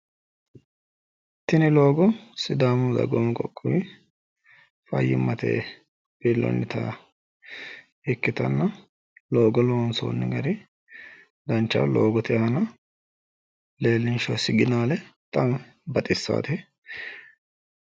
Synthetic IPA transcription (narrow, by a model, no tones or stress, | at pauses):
t̪ːɪnɪlo̞ːɡɔsɪd̪aːmɔzɐ̰ɡomkʼɔkʼːʊj | fɐ̰jːɪ̰mːɐt̪ḛː | biːlːɔ̰nːɪt̪a̰ | ɛkːɪt̪ɐnːɐ | lo̞ːɡɔlonso̰ːnːɪɡɐɾɪ | d̪ɐnt͡ʃːɐ̰loːɡɔt̪ɪhɐnɐ | le̞ːlːɪnʃɔsɪɡɪnaːlɛt̪ʼɐm | bɐt̪ʼɪsːa̰ːt̪ɛ